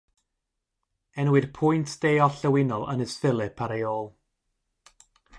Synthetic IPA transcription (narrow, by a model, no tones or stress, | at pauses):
ɛnwɪð̥pʰʊjntʰd̥ejɔɬəwɪnɔlˠə̰nəsfɪlˠɨpʰaɾejoːlˠ